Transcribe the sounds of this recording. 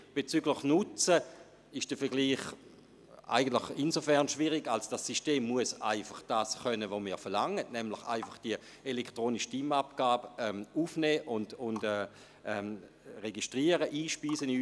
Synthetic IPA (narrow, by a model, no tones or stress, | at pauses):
b̥et͡syɡləχnʊt͡sə | ɪʃd̥əfɛɡliːχ | a̰ɪɡən̩tləχinzofɛʁnʃviʁiɡalsod̥asiʃteːmːuəsa̰ɪfaχd̥aːsχœnəvomiːɐfɛɐʁlaŋətnɛmləχa̰ɪfaχd̥iə | elektʁoːniʃtimapɡ̥aːbɛmufnɛːʔʊndʊndɛː | ɛm | ʁeɡiʃtʁiəʁəʔiːʃpiːsənː